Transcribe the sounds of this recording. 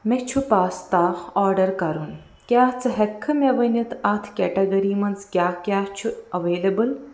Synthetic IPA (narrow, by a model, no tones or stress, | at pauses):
met͡ʃʰupaːst̪aːxɔːɾɖɐɾkɐɾun | kʲaːt͡sɨɦekʰːɨmeɐʋɐnɐt̪ʰat̪ʰkʲɛːʈɐɡɐɾiːmɐnt͡skjaːkʲaːht͡ʃʰuɐʋeːlɐbɨl